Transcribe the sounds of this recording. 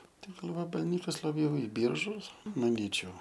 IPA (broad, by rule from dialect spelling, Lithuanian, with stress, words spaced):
ˈtʲɛn ɡɐlˠ ʋɐbɐlʲˈnʲiːkɐs lˠɐˈbʲjɛʊ ɪ ˈbʲiːrʒʊs mɐˈnʲiːt͡ʃʲɛʊ